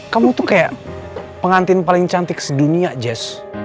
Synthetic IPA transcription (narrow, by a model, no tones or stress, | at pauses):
kamut̪ʊkaja̰ʔ | pəŋant̪ɪnpalɪŋt͡ʃant̪ɪksəduniad͡ʒɛs